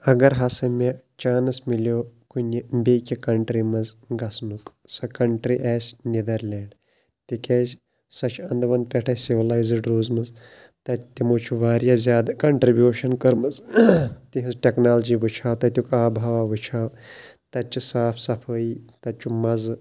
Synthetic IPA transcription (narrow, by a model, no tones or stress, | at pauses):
ɐɡɐɾɦasɐmʲɐ | t͡ʃaːnɐsmilokunibekʲikɐɳʈɾimɐzɡɐsnuk | sɐkɐɳʈɾiʔaːsʲnid̪ɐɾlʲeːɳɖ | t̪ikʲeːsʲ | sɐt͡ʃʰɐnd̪ʋɐnd̪̚pʲɛʈʰɐːsiʋlaːjzɖɾuːzmɐz | t̪ɐt̪imuːt͡ʃʰuʋaːɾjazʲjaːd̪kɐɳʈɾibʲjuːʃɐnkɐɾmɐzt̪iɦɨzʈʲeknaːlɐd͡ʒiːʋɨt͡ʃʰaːwt̪ɐt̪ʲjukaːbʱaːʋaʋɨt͡ʃʰaːwt̪ɐt͡ʃusaːpʰsɐpʰəːiːt̪ɐt͡ʃumɐz